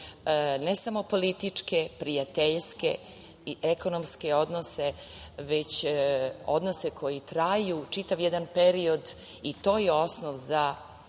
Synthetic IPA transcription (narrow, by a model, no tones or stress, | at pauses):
nesamo̞po̞lit̪it͡ʂke̞pɾijat̪eʎske̞̰ | iʔeko̞nomske̞o̞d̪nose̞ʋet͡ɕ | o̞̰d̪nose̞kʰo̞jit̪ɾajut͡ʂit̪aʋjɛd̪anpe̞ɾio̞d̪ | it̪o̞ːjeo̞snoʋza